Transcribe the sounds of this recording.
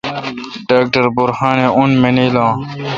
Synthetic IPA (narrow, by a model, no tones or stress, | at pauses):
ɖaːk̚ʈəɾbʊɾhaːneunmeniːlãː